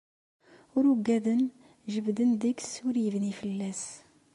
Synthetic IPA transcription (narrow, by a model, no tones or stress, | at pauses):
ʊɾʊɡːæðən | ʒəbd̪ənd̪əksʊɾjəvnifəlːæs